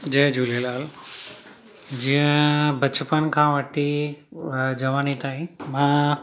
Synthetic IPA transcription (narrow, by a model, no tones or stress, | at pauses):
d͡ʑeːd͡ʑuːlelaːl | d͡ʑĩːə̃bɐt͡ɕpənkʰãːʋɐʈʰi | d͡ʑɐʋaːnit̪aːĩmãː